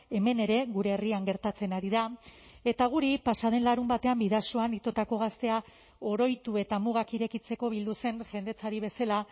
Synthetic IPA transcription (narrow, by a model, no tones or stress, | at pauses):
e̞me̞ne̞ɾe̞ɣuɾe̞ːriaŋɡe̞ɾt̪at͡se̞naɾiðae̞t̪aɣ̞uɾipasaðe̞nlaɾumbat̪e̞ambiðasoanit̪o̞t̪ako̞ɣ̞ast̪e̞a | o̞ɾo̞jt̪ue̞t̪amuɣakiɾe̞kit͡se̞ko̞βild̪use̞nʝe̞nd̪e̞t͡saɾiβ̞e̞sala